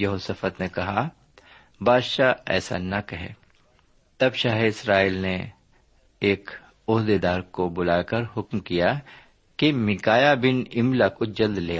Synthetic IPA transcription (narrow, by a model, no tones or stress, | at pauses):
jɐɦoːsəfət̪nekɐɦa | baːd̪ʃaɛ̰ːsa̰nɐkɐɦḛː | t̪ɐbʃaːɦeɪsɾaːiːlne | eːk | ʊɦd̪ed̪aːɾkobʊlaːkɐɾɦʊkmkija | kemɪkaːjabɪnɪmlakod͡ʒɐld̪leːa